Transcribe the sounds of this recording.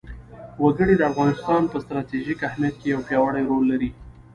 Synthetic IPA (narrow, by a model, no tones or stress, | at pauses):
waɡəɽid̪əafɣɑnɪst̪ɑnpəst̪ɾɑt̪eʒikahmjat̪̚kejawpjɑwaɳajɾolːaɾi